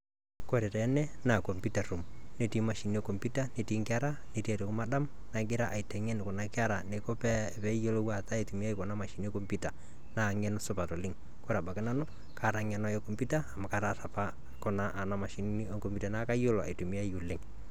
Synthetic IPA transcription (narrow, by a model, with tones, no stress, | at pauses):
ko˦ɾɛ˨tɛ˨˦nɛ˦na˨ko˨mpi˦ta˨ru˨mne˦ti˦ma˨ʃi˨ni˦ɔ˦ko˨mpi˦ta˦ne˨ti˦ŋkɪ˦a˦ɾa˦ne˨ti˦a˨ɾo˨kʊ˦ma˦ɗa˦m | na˨ɡɪ˦ɾa˦ʔa˨i˨tɛ˨ŋɛ˦n˨kɔ˨na˨kɪ˦a˦ɾa˨ne˨ko˦pɛ˦˨pɛ˦jo˦lo˦wa˨ta˦e˨tu˨mi˦a˦i˦kɔ˨na˦ma˨ʃi˨ni˦ɔ˦ko˦mpita˨ | na˨ŋɛ˦nɔsʊ˦pa˨to˨lɪ˦ŋ | ko˦ɾa˨ba˨kɪ˦na˦nɔ˦ | ka˨ɾa˨ŋɛ˨nɔ˦ɛ˦ko˨mpi˦taː˦˨ma˨ka˦ɾata˨pa˦ | kɔ˨na˦ʔa˨na˦ma˨ʃi˨ni˦ni˦ɔ˦ŋko˨mpi˦ta˨na˦ka˦jo˦lɔ˨a̰˨tu˨mi˦a˦iu˨lɪ˦ŋ